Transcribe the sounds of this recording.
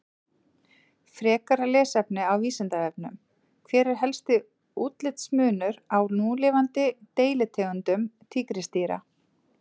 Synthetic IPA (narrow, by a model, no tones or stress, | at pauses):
fɾɛːkaɾalɛːsɛpnɪawviːsɪnt̪aɛp̚nʏ̰m | kʰvɛːɾɪɾ̥ɦɛlst̪ɪ | uːt̪lɪt̪smʏːnʏɾawnuːlɪːvant̪ɪt̪eːjlɪt̪ʰɛːɣʏnt̪ʏmt̪ʰiːkɾɪst̪iːɾa̰